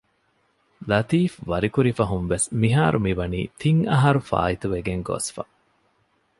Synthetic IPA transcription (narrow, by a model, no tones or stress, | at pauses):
lɐt̪iːfʋɐɾikuɾifɐɦunʋesmiɦaːɾʔumiʋɐnḭːt̪iŋɐɦɐɾufa̰ːit̪uʋeɡeŋɡo̰ːsfɐ̰